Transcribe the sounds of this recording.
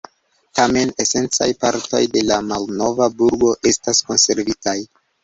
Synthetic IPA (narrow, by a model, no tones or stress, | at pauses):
tame̞ne̞se̞nt͡sa̰jpaɾto̞̰jde̞lamalno̞vabuɾɡo̞ʔe̞stasko̞nse̞ɾvitaj